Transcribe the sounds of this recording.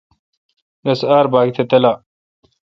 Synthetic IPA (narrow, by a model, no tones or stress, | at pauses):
nɐsaːɾbaːɡit̪ʰɐt̪ɐlaː